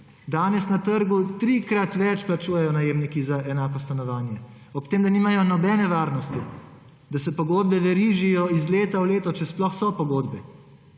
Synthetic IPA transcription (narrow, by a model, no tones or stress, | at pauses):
d̪aːnɛsnat̪əɾɡut̪ɾikɾat̪ʋɛt͡ʃplat͡ʃuːjɛjɔnajeːmnikizaʔɛnaːkɔst̪anɔʋaːnjɛ | ɔpt̪eːmd̪aniːmajɔnɔbɛːnɛʋaːɾnɔst̪i | d̪asɛpɔɡoːd̪̚bɛʋɛɾiʒijɔizleːt̪awleːt̪ɔt͡ʃɛsplɔxsɔpɔɡoːd̪bɛ